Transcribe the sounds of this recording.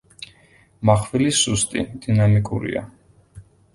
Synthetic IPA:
maχvilisust̪ʼḭd̪̥inamikʼuɾḭa̰

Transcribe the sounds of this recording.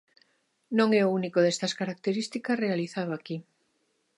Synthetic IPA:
nõŋɛounikoðest̪ɐskaɾak̚t̪eɾist̪ikɐsrealiθaðoaki

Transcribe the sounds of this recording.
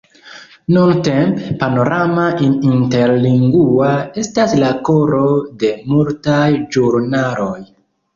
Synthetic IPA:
nuntempepano̞ɾamaʔiinte̞ɾliŋɡuae̞staslako̞ɾo̞de̞multajd͡ʒuɾnalo̞j

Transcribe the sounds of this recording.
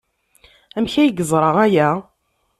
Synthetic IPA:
æmçæjɡəzˤɾˤəʁæjæ

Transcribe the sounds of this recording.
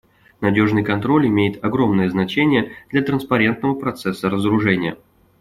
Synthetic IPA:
nɐdʲo̞ʐnɨjkɐnt̪ɾo̞lʲɪmʲejɪt̪ɐɡɾo̞mnəjəznɐt͡ɕenʲɪjəd̪̥lʲɐt̪ɾənspɐɾʲe̞nt̪̚nəvəpɾɐt̪sɛsːəɾəzəɾʊʐɛnʲɪjə

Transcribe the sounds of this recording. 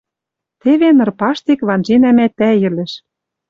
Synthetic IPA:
t̪eβenɤ̆rpɑʃt̪ekβɑnʒinæmæt̪ːæjɘ̆lɘ̆ʃ

